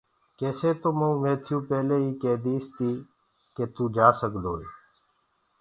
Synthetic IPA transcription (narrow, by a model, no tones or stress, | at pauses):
keːseːt̪oːməũːʋẽːt̪ʰɪjũːpeːleːiːkeːd̪iːst̪iː | keːt̪uːd͡ʒaːsəkd̪oːeː